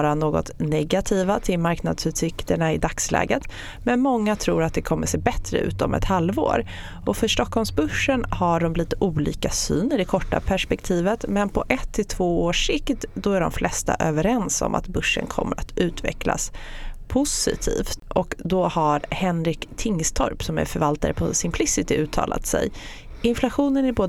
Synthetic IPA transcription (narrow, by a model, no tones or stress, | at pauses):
ɾanoːɡɔ̰t̪nɛɡat̪ʰiːvat̪ʰɪlmaɾknad̪sʉ̟ːt̪vɪkt̪əɳaɪd̪akslɛ̰ːɡət̪ | mɛnmɔŋːat̪ʰɾuːɾat̪̚d̪ɛkʰɔmːəseːbɛt̪ɾə̰ʉ̟̰ːt̪ɔmɛ̰t̪halvo̰ːɾ | ɔfœʂʈɔkʰːɔlmsbɵʂːənhaɖɔmliːt̪ʔuːlḭːkasy̰ːnəɖɛkʰɔʈːa̰pʰæʂpɛkt̪ʰiːvət̪mɛnpʰɔʔɛt̪ʰːɪlt̪ʰvoːoːʂɪkt̪d̪ɔæɖɔmflɛst̪a̰ʔøːvəɾɛnsɔ̰mʔa̰t̪bɵʂːə̰nkʰɔ̰mːəɾat̪ʉ̟ːt̪vɛ̰kla̰spʰʊsɪ̰t̪ʰḭːft̪ɔkd̪ɔhaɾhɛnɾɪkt̪ʰɪŋːst̪ʰɔ̰ɾpsɔmæ̰ɾfœɾvalt̪aɾəpʰɔ̰sʏmpʰlɪsɪt̪ɪʉ̟ːt̪ʰɑ̰ːlʔa̰t̪sɛ̰j | ɪnflaɧuːnənæɾboː